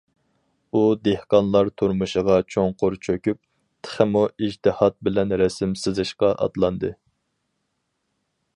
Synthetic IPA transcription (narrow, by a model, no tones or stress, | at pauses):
ud̪ehqɑnlˠɑɾt̪ʰuɾmuʃəʁɑt͡ʃʰoŋqʊɾt͡ʃʰøkʲyp̚ | t̪ʰə̥χəmuid͡ʒt̪ɨhɑt̪̚bɪlɛnɾɛsɪmsɨzɨʃqɑʔɑ̰t̪lˠɑnd̪ɨ